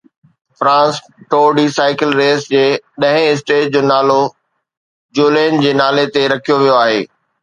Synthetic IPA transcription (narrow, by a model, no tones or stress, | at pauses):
fɾãːs | ʈoːɖisaːɪkɪlɾeːsd͡ʑeːɗɐ̃ɦɪ̃ɪs̬ʈeːʈ̚d͡ʑoːnaːlo | d͡ʑoːleːnd͡ʑeːnaːlet̪eɾɐkʰijoʋijoaːɦeː